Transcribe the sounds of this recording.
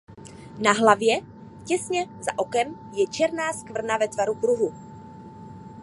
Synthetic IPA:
naɦlavjɛ | cɛsɲɛzaʔokɛm | jɛt͡ʃɛɾnaːskvr̩navɛt̪vaɾukɾuɦu

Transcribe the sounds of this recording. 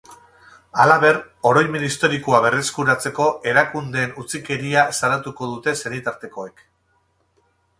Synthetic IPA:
alaβe̞r | o̞ɾo̞jmenist̪o̞ɾikuaβe̞re̞skuɾat͡se̞ko̞ʔe̞ɾakund̪e̞ːnut͡sike̞ɾiasalat̪uko̞ðut̪e̞se̞ɾit̪aɾt̪e̞ko̞e̞k

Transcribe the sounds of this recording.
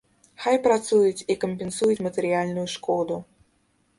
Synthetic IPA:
xajpɾat̪sujɪt͡sʲikəmʲpʲensujɪt͡sʲmət̪əɾʲɪalʲnʊjʊʂkod̪ʊ

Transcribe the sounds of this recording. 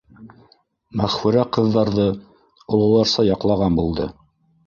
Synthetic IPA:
mæχfɘ̆ɾæqɤ̆ðːɑɾðɤ | ŏlˠɤ̆w̪ˠɑɾsɑjɑqlˠɑʁɑnbulˠd̪ɤ

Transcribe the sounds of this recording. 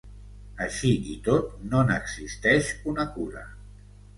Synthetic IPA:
əʃiʔit̪ot̪̚nonəɡzist̪ɛʃunəkuɾə̰

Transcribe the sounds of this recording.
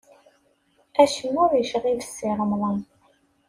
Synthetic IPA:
æʃənːʊɾjəʃʁivəsːiʁəmðˤən

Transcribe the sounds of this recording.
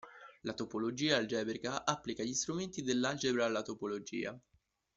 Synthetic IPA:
lat̪opolod͡ʒiːald͡ʒɛːbeɾɡaʔapːlikaʎist̪ɾument̪id̪elːald͡ʒebɾaalːat̪opolod͡ʒḭːa̰

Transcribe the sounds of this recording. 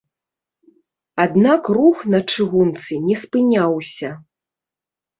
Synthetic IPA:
ad̪nakruxnɐt͡ʂɨɣunt̪sɨnʲɛspɨnʲawsʲɐ

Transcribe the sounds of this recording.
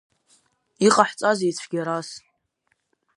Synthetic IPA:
iqʼaħt͡sʼazit͡sʷʰɡʲaɾas

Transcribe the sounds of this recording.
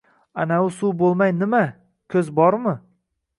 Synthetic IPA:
anaʊsuwbolˠmajnɪma | kʲʰɵzbɒɾmɪ

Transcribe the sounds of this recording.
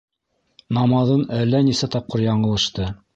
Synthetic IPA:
nɑmɑðɤnælːænisæt̪ɑp̚qɤɾjɑɴɤ̆lˠɤ̆ʃt̪ɤ

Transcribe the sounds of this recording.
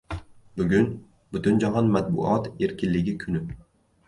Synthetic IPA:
bʊɡʲʊn | b̥ʊt̪ʊnd͡ʒaɦɒnmat̪̚bʊ̰ʔɒt̪e̞ɾkʲɪnlɪɡʲɪkʰʊnɪ

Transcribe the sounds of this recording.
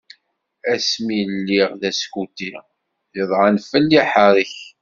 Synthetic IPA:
æsmilːiʁðæskut̪i | jəðˤʁanfəlːiħəɾˤəç

